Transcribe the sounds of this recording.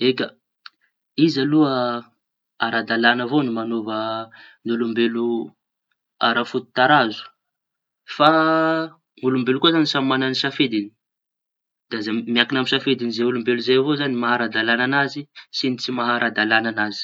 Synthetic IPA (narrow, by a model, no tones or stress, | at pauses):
eka | izaluə | aɾad̪alanəvonimanovənulumbelu | a̰ɾafut̪u̥t̪aɾazu̥ | fa | nulumbelukuzanisammananisafed̪ini̥ | d̪̥azamiakinamisafed̪inizeulumbeluzajavozanimaɦaɾad̪alananazisinit͡simaɦaɾad̪alananazi̥